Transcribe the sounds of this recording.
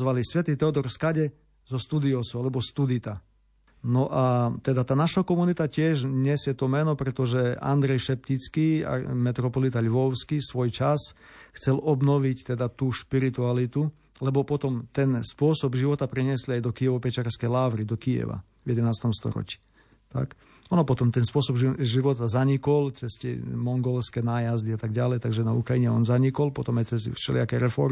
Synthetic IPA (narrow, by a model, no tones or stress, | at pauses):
zʋalisʋɛt̪it̪ɛɔd̪ɔɾfskaɟɛ | zɔst̪uːd̪iɔsɔalɛbɔst̪ud̪it̪a | nɔʔat̪ɛd̪at̪aːnaʃɔkɔmunit̪acɪɛʒɲɛsjɛt̪ɔmɛnɔpɾɛt̪ɔʒɛa̰nd̪ɾɛjʃɛp̚cit͡skia̰mɛt̪ɾɔpɔlit̪aʎʋɔʊskisʋɔjt͡ʃasxt͡sɛlɔbnɔʋict̪ɛd̪at̪uːʃpiɾit̪ualit̪u | lɛbɔpɔt̪ɔmt̪ɛnspʊɔsɔbʒiʋɔt̪apɾɛɲɪɛsliajd̪ɔkiɛʋɔpɛt͡ʃaɾskɛjlaːʋɾid̪ɔkijɛ̰ʋa̰ | vjɛd̪ɛnaːst̪ɔmst̪ɔ̰ɾɔ̰t͡ʃi̥ː | t̪a̰k | ɔnɔpɔt̪ɔmt̪ɛnspʊɔsɔbʒiʋɔt̪azaɲikɔlt͡sɛscɛ̰mɔŋɡɔlskɛnaːjazd̪iat̪aɡɟalɛjt̪aɡʒɛnaukɾajiɲɛɔnzaɲikɔlpɔt̪ɔmajt͡sɛsfʃɛ̰lia̰kɛɾɛfɔɾmi